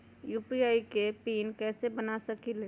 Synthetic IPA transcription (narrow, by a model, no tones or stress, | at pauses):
juːpiaːikepiːnkɛːsebənasɐkile